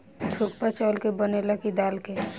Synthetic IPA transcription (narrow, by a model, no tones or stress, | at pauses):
t̪ʰuk̚pat͡ʃɔːlkebənelakid̪aːlke